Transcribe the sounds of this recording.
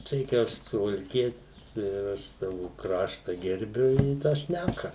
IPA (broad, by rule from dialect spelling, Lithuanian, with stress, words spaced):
ˈtɐɪ kɐɪ ˈɐʃ sʊʋɐlʲˈkʲiɛtʲɪs ɪr ˈɐʃ ˈsɑːʋʊ ˈkrɑːʃtɐ ɡʲɛrʲˈbʲʊ ɪ tɑː ˈʃʲnʲækɐ